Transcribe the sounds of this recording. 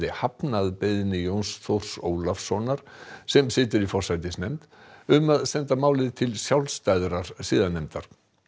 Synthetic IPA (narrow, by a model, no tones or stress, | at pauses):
ðɪhapnaðpeðɪnɪjownsθowr̥soːwlafsɔnaɾ̥sɛmsɪːt̪̬ɪɾifɔr̥sajt̪ɪsnɛjmt̪ | ʏmaðsɛnt̪amaːwlɪðt̪ʰɪlsjawlst̪ajðɾaɾ̥siːðanːɛjmt̪a̰ɾ̥